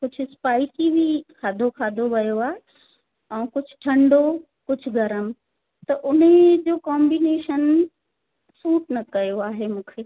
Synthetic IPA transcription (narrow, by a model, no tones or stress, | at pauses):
kʊd͡ʑʱʊspaːɪsibʱikʰaːd̪ʱokʰaːd̪ʱoʋɐjoaːɦe | ɛ̃ːkʊd͡ʑʱʊ̥ʈʰɐ̃ɳɖo | kʊd͡ʑʱʊɡɐɾəm | t̪ɐʔʊned͡ʑoːkɔːmbineːʃən | suːʈnɐkɐjoaːɦemũːkʰeː